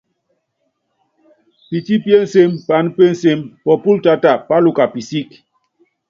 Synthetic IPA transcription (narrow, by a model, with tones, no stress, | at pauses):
pi˨ti˦pje˦n̩˨se˦mpa˨˦n˦pe˦n̩˨se˦mpɔ˨pu˦lta˦ta˨pa˦lu˦˨ka˨pi˨si˦k